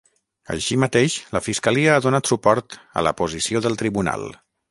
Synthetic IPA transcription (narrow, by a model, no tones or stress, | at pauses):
ə̰ʃimət̪eʃləfiskəliəːðunat̪supɔɾt̪ə̰lə̰puzisioðəlˠt̪ɾiβuna̰lˠ